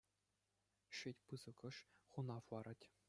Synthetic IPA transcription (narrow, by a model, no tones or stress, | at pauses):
ɕɘtʲpɯzɤ̆kɤ̆ʂχunɑfwɑɾɑtʲ